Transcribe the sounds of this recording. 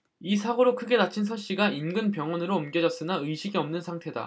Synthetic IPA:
isʰaɡoɾokʰɯɡe̞nat͡ɕʰinsʰʌɭɕ͈iɡainɡɯnpjʌŋwʌnɯɾoːmɡjʌd͡ʑʌs͈ɯnaɯjɕʰiɡiʌmnɯnsʰaŋtʰe̞da̰

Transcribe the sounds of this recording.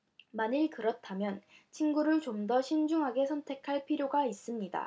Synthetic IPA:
maɲiɭkɯɾʌtʰamjʌnt͡ɕʰinɡuɾɯɭt͡ɕomdʌɕʰind͡ʑuŋɦaɡe̞sʰʌntʰe̞kʰaɭpʰiɾjoɡais͈ɯmɲida̰

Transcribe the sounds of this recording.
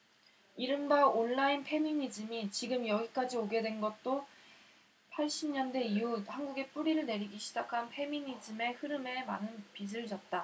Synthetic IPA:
iɾɯndaonːainpʰe̞miɲid͡ʑɯmit͡ɕiɡɯmjʌɡik͈ad͡ʑioɡe̞dwe̞nɡʌt̚t͈o | pʰaɭɕ͈imɲʌndwe̞iuhanɡuɡe̞p͈uɾiɾɯɭne̞ɾiɡiɕʰid͡ʑakʰanpʰe̞miɲid͡ʑɯme̞hɯɾɯme̞manɯnpis̬ɯɭd͡ʑʌt̚t͈a

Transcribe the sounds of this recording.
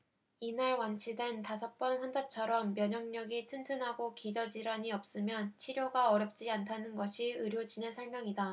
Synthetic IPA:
inaɭwant͡ɕʰide̞ntasʰʌk̚p͈ʌnɸwʌnd͡ʑat͡ɕʰʌɾʌmːjʌɲʌŋɲʌɡitʰɯntʰɯnɦaɡokid͡ʑʌd͡ʑiɾaɲiʌp̚s͈ɯmjʌnt͡ɕʰiɾjoɡaʌɾjʌp̚t͡ɕ͈iantʰanɯnɡʌɕʰiɯɾjod͡ʑine̞sʰʌɭmjʌŋida

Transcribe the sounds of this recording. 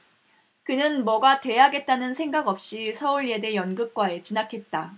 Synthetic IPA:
kɯnɯnmʌɡate̞aɡe̞t̚t͈anɯnsʰe̞ŋɡaɡʌp̚ɕ͈isʰʌuɭje̞de̞jʌnɡɯp̚k͈wae̞t͡ɕinakʰe̞t̚t͈a

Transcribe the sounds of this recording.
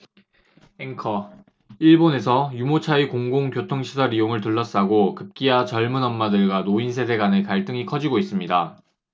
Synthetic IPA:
eŋkʰʌ | iɭbone̞sʰʌjumot͡ɕʰaikoŋɡoŋkjotʰoŋɕʰisʰʌɾijoŋɯɭtɯɭːʌs͈aɡokɯp̚k͈iat͡ɕʌɭmɯnʌmːadɯɭɡwanoins̬ʰe̞de̞ɡanekaɭt͈ɯŋikʰʌd͡ʑiɡois͈ɯmɲida

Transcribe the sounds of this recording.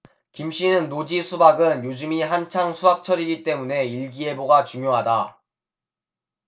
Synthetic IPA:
kimɕ͈inɯnːod͡ʑisʰubaɡɯnjod͡ʑɯmiɦant͡ɕʰaŋsʰuɦak̚t͡ɕʰʌɾiɡit͈e̞mune̞iɭɡie̞boɡat͡ɕuŋjoɦada

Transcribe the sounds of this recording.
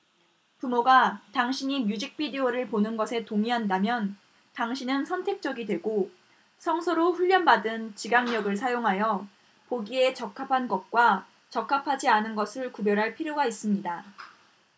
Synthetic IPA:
pumoɡataŋɕʰiɲimjud͡ʑik̚p͈ʰidioɾɯɭponɯnɡʌsʰe̞toŋiɦandamjʌn | taŋɕʰinɯnsʰʌntʰe̞k̚t͡ɕ͈ʌɡidwe̞ɡo | sʰʌŋsʰʌɾoɸuʎːʌnbadɯnt͡ɕiɡaŋɲʌɡɯɭsʰajoŋɦajʌ | poɡie̞t͡ɕʌkʰapʰanɡʌt̚k͈wa | t͡ɕʌk͈ʰːapʰad͡ʑianɯnɡʌsʰɯɭkubjʌɾɦaɭpʰiɾjoɡais͈ɯmɲida

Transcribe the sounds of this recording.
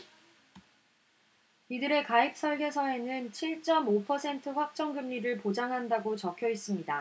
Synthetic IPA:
idɯɾe̞kaip̚s͈ʰʌɭɡe̞sʰʌe̞nɯnt͡ɕʰiɭt͡ɕ͈ʌmopʰʌsʰe̞ntʰɯɸwak̚t͡ɕ͈ʌŋɡɯmɲiɾɯɭpod͡ʑaŋɦandaɡot͡ɕʌkʰjʌis͈ɯmɲida

